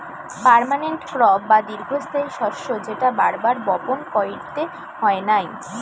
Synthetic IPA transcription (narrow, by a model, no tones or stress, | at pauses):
paɾmaneɳʈkɾɔbːad̪iɾɡʱost̪ʰaiʃɔɾʃod͡ʑeʈaba̰ɾbaɾbɔponkɔjiɽt̪e | hɔenaj